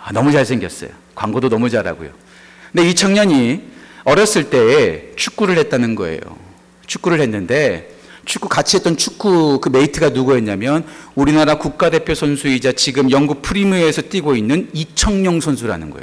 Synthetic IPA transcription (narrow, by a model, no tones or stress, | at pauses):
anʌmut͡ɕaɭs̬ʰe̞ŋɡjʌs͈ʌ̰jo | kwa̰ŋɡodonʌmud͡ʑaɾa̰ɡo̰jo̰ | ndeit͡ɕʰʌŋɲʌɲiʌɾjʌs͈ɯɭt͈e̞ːt͡ɕʰu̥k͈̚uɾɯɭhe̞t̚t͈anɯnɡʌ̰ḛjo̰ | t͡ɕʰu̥k͈uɾɯɭhe̞nːɯnde̞ | t͡ɕʰuk͈ːukat͡ɕʰiɦe̞t͈ʌnt͡ɕʰuk͈ukɯme̞itʰɯɡanuɡueɲːamjʌnuɾinaɾakuk̚k͈ade̞pʰjosʰʌnsʰuid͡ʑat͡ɕiɡɯmjʌŋɡuk̚pʰɯɾimuesʰʌt͈iɡoinːɯnit͡ɕʰʌŋɲʌŋsʰonsʰuɾa̰nɯnɡʌḛo